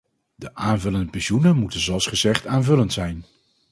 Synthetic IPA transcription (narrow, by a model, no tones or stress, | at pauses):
dəʔaːnvɵləndəpɛnʃunəmutənzoɑlˠsχəzɛχtaːnvɵləntsɛjn